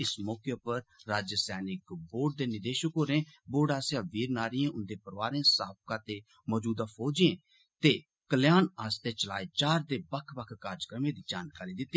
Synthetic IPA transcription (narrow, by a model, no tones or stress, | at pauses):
ɪsmɔːkepəɾːaːd͡ʒsɛːnɪkboːɖ̚d̪eːnɪd̪eːʃəkoːɾẽːboːɖaːsãːʋiːɾnaːɾiːẽːʔʊnd̪eːpəɾʋaːɾẽːsaːp̚kãːt̪eː | mɔːd͡ʒuːd̪aːpʰoːd͡ʒẽː | t̪eː | kəljaːnaːst̪eːt͡ʃəla̰ːet͡ʃaːɾd̪eːbəkʰbəkʰkaːɾd͡ʒkɾəmẽːd̪iːd͡ʒaːnkaːɾiːd̪ɪt̪ːiː